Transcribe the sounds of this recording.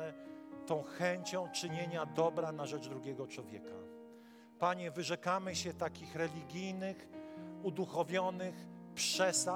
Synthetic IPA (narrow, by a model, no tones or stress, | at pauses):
ɛt̪ɔ̃w̃xɛɲt͡ɕɔ̃w̃t͡ʂɘɲeɲad̪ɔbɾanaʐɛd͡ʐd̪ɾuɡʲɛɡɔt͡ʂwɔvʲjɛkʰa̰ | paɲɛvɘʐɛkamɘɕɛt̪akʲixɾɛlʲiɡʲijnɘxud̪uxɔvʲjɔnɘxpʂɛsa